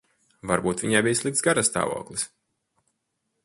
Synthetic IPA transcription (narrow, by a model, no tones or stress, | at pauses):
vaɾbuːt̪viɲajbijslˠik̚t̪sɡaɾasːt̪a̰ːvɔ̰ːklˠis